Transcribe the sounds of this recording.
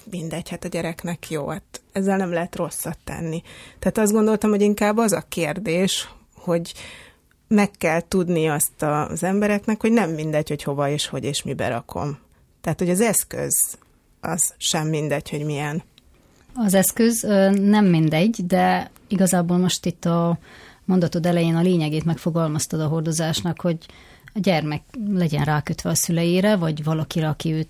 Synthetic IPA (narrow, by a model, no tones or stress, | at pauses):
mind̪ɛɟhat̪ɒɟɛɾɛknɛkʰjo̰ːhat̪ɛzːɛlnɛmlɛɦɛt̪ro̞sːɒt̪ːɛ̰nːit̪ɛaːt̪ɒzd̪ɡo̞nd̪o̞lt̪ɒmho̞ɟiŋkaːbːɒzɒkeːrd̪eːʃ | ho̞ɟ | mɛkːɛlt̪ud̪niɒst̪ɒzɛmbɛɾɛknɛkho̞ɟnɛmːind̪ɛɟho̞cho̞vɒeːʃho̞ɟeːʃmibɛ̰ɾɒ̰kʰo̞̰m | t̪ɛaːt̪ho̞ɟɒzɛskø̰z | ɒ̰z̥ʃɛmːind̪ɛɟho̞ɟmijɛn | ɒzɛskøzønɛmːind̪ɛɟːd̪ɛ | iɡɒzaːboːlmo̞ʃt̪it̪ːɒmo̞nd̪ɒt̪od̪ɛlɛjeːnɒleːɲɛɡeːt̪mɛkfo̞ɡɒlmɒst̪ɒd̪ɒɦo̞rd̪o̞zaːʃnɒkho̞ɟ | ɒɟɛrmɛklɛɟɛ̰nraːkøt̪ʋɛɒsylɛjiːɾɛvɒɟvɒlɒkiɾɛɒkiøːt̪